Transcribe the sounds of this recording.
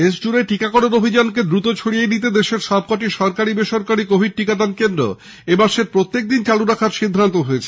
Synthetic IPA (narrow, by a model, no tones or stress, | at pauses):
eʃd͡ʑuɾeʈikakɔɽoɾobʱid͡ʑank̬ed̪ɾut̪ot͡ɕʰoɽijenit̪̬ed̪eʃeɾʃɔb̚kɔʈiʃɔɾkaɾibeʃoɾkaɾikobʱiɖ̚ʈikat̪ankend̪ɾo̰ | emaʃeɾpɾot̪ːek̚d̪int͡ɕaluɾakʰaɾʃid̪ʱːant̪oɦoet͡ɕʰe